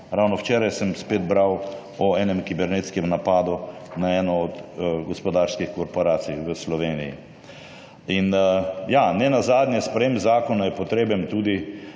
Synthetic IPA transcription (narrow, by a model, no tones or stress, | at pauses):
ɾawnɔwt͡ʃɛːɾajsəmspeːd̪bɾaw | ɔɛːnɛmkibɛɾnet̪skɛmnapaːd̪unaɛːnɔɔd̪ɡɔspɔd̪aːɾskixkɔɾpɔɾaːsijʋəslɔʋeːnḭjḭ | injanɛnazaːd̪njɛspɾɛjeːmzaːkɔnajɛpɔt̪ɾeːbɛmt̪uːd̪i